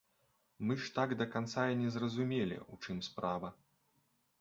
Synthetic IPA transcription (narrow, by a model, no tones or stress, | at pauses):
mɨʂt̪aɡd̪ɐkant̪sajinʲɛzrɐzumʲelʲḭut͡ʂɨmspɾavɐ